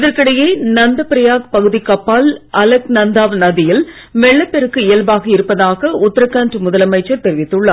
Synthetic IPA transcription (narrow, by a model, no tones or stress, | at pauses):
ɪðɐɾkɐɽɐjeːnɐnd̪ɐpɪɾɐjaːk̚pɐɣɯðikɐpːaːlʔɐlɐknɐnd̪aːʋnɐðɪjɪl | mɛɭːɐpːɛɾɯkːɯɪjɐlbaːɣɐɪɾɯpːɐðaːɣɐʊt̪ːɐɾɐkːaːndrɯmʊðɐlɐmɐɪt͡ʃːɐɾt̪ɛɾɪʋɪt̪ːɯɭːɐ